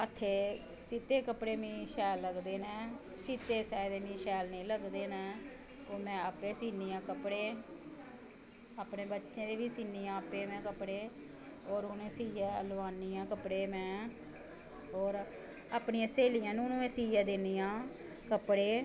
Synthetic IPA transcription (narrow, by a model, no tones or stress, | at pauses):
ət̪ʰːeː | siːt̪eːkəpɽeːmĩːʃɛːlːəɡd̪eːnɛ̃ː | siːt̪eːsɛːd̪eːmĩːʃɛːlnĩːləɡd̪eːnɛ̃ː | oːmɛ̃ːaːpeːsiːniːãːkəpɽeː | aːpneːbətːʃẽːd̪eːʋiːsiːniːãːəpeːmɛ̃ːkəpɽeː | ɔːɾunẽːsiːjɛːəlʋaːniːãːkəpɽeːmɛ̃ː | ɔːɾ | aːpniːãːseːlijãːnũːnũːẽːsiːjaːd̪eːniːãː | kəpɽeː